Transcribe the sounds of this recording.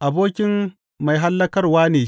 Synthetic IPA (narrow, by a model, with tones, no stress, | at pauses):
ʔa˨boː˦kʲɪ˦mː | a˨jɦa˦lːɐ˦kɐ˦rwaː˦neː˨